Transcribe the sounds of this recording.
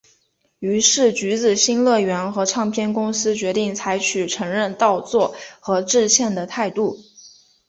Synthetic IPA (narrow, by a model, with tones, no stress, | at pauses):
y˧˥ʂɻ̩˥˩t͡ɕy˧˥t͡sɹ̩˨˩ɕi˥nlɤ˥˩ɥɛ˧˥nxɤ˧˥ʈ͡ʂʰɑ˥˧ŋpʰjɛ˥nkʊ˥ŋsɹ̩˥t͡ɕɥɛ˧˥t̪i˥˩ŋt͡sʰa˧˥ɪt͡ɕʰy˨˩ʈ͡ʂʰɤ˧˥ŋɻə˥˧nt̪ɑ˥˧ʊt͡swɔ˥˩xɤ˧˥ʈ͡ʂɻ̩˥˧ɕjɛ˥˩nd̪ə˩t̪ʰa˥˧ɪt̪u˥˩